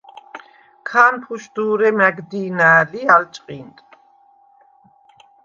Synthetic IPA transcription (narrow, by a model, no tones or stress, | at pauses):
kʰaːnpʰuʃd̪uːɾɛmæɡd̪iːnaːlialt͡ʃʼqʼint̪ʼ